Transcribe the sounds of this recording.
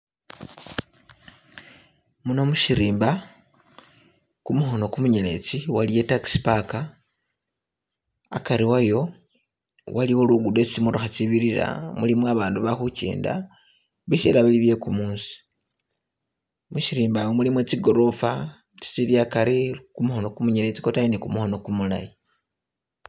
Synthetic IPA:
muno̞muʃiɾiːmba | kumuxo̞no̞kumuɲene̞̰t͡siwalije̞taki̥si̥paka | a̰kaɾiwajo̞ | waliwo̞luɡude̞t͡sit͡simuɾuxat͡siβiɾiɾa̰mulimwaβaːnduβaxucḛːnda̰ | βiʃḛlaβiliβje̞kumuːnsi̥ | muʃiɾiːmbajomulimwet͡siɡo̞ɾo̞fa | t͡si̥t͡siljakaɾekumuho̞no̞kumuɲele̞t͡si̥ko̞tajinikumuho̞no̞kumula̰ji

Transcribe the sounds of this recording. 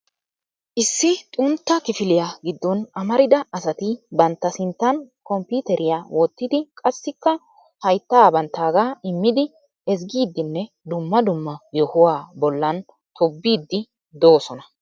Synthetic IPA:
ʔɪsːɪt̪ʼʊnt̪ːɐkɪfɪlɪjaɡɪd̪ːɔnɐmɐɾɪd̪ɐʔɐsɐt̪ɪbɐnt̪ːɐsɪnt̪ːɐnkɔmpuːt̪ɛɾʔɪjaːwɔt̪ːɪd̪ɪkʼɐsːɪkːɐ | hɐjt̪ːaːbɐnt̪ːaːɡaːɪmːɪd̪ɪ | ɛz̬ɡiːd̪ːɪnːɛ | d̪ʊmːɐd̪ʊmːɐjɔhʊwaːbɔlːɐn | t̪ʰɔbːiːd̪ːɪ | d̪oːsɔnɐ

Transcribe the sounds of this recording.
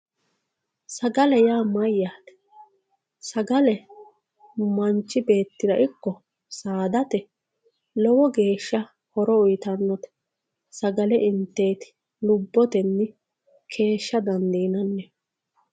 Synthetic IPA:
sɐɡɐlɛjaːmɐjːaːt̪ɛ̥ | sɐɡɐlɛ | mɐnt͡ʃːɪbe̞ːt̪ːɪd̪ɐʔɪkːɔ | saːd̪ɐt̪ɛ | lɔwɔɡe̞ːʃːɐ | hɔɾɔʊjt̪ɐnːɔt̪ɛ̥ | sɐɡɐlɛʔɪnt̪ːe̞ːt̪ɪ̥ | lʊbːɔt̪ɛnːɪ | kʰe̞ːʃːɐd̪ɐnd̪iːnɐnːɛ

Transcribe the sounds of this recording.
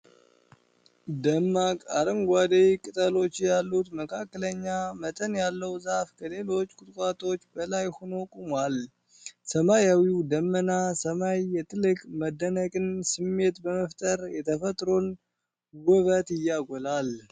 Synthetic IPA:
d̪əmːakʼaɾəmɡʷad̪ejkʼɨt̪ʼəlo̞t͡ʃːjalːut̪məkʰakːələɲːamət̪ʼənjalːəwzafkʰəle̞lo̞t͡ʃːkʼʊt̪ʼkʼat̪ʰo̞t͡ʃːbəlajhono̞kʼomal | səmajawiwd̪əmːənasəmajːɛt̪ʰʼɨlɨkʼməd̪ːənəkʼɨnsɨmːe̞t̪bəməft̪ʼəɾjɛt̪ʰəfət̪ʼɾo̞n | wɔβət̪ɪjːaɡʷɔlal

